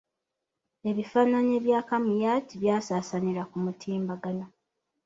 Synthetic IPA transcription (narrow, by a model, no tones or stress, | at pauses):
e̞βifaːnaɲe̞ːβjaːkamujaːtiβjaːsaːsaniɾakumutʰiːmbaɡano